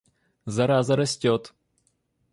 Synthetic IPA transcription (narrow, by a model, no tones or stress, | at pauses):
zɐɾazɐɾɐsʲtʲot̪